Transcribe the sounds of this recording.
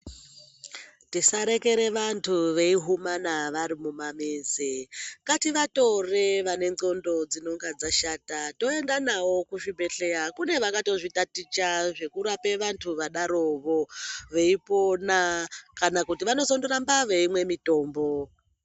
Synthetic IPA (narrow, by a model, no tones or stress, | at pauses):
tisaɾe̞ke̞ɾe̞ʋantʰuʋe̞iɦumanaʋaɾimumameːzikatiʋato̞reʋane̞ŋondo̞d͡zino̞ŋɡad͡zaʃatato̞endanawo̞kuʐibʱe̞ɬe̞akune̞ʋakato̞ʐitatit͡ʃaʐe̞kuɾape̞ʋantʰuʋaɗaɾo̞ʋo̞ʋe̞ipo̞nakanakutiʋano̞sondoɾambaʋe̞imwe̞mito̞ːmbo̞